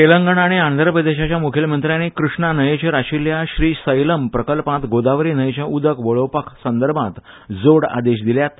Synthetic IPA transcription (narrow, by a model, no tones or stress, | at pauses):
t̪eləŋɡəɳ̃aɽ̃iand̪ʱəɾəpɾəd̪eɕat͡ɕjamukʰelmənt̪ɾjanikɾuʂɳanəjet͡ɕeɾaɕiljaɕɾiːsəjləmpɾəkəlpãt̪ɡod̪aʋɾiːnəjet͡ɕjaʔud̪ʱəkʋəɭopəkʰsənd̪əɾbʱãt̪ | d͡zoɽa̰d̪eɕd̪iljat̪